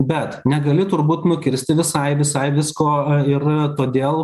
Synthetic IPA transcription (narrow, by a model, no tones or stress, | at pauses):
bʲɛt̪nʲɛɡɐlʲɪt̪ʊɾbuːt̪nʊkʲɪɾʲsʲt̪ʲɪʋʲɪsɐɪʋʲɪsɐɪʋʲɪskoːɪrt̪oːd̪ʲeːlˠ